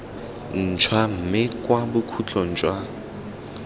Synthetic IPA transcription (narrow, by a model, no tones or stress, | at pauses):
n̩t͡ʃʰwam̩mɪkʼwabʊkʰut͡ɬʰɔn̩t͡ʃʼwa